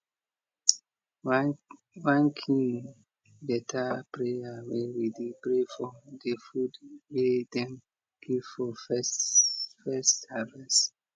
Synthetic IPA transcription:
wãnkʰĩ | lɛtʰapɹeawewidipɹefɔdefudwedɛ̃m | ɡ̥ivfɔfsfɛstːavɛs

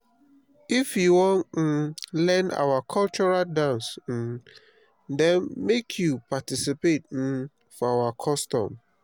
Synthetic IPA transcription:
ifjuwɔ̃nt̩lɛ̃na̰wakʰɔlt͡ʃɔɹaldãns̩ | dɛ̃nmekʰjupatisipet̩̚ | fɔawakʰɔstɔ̰̃m

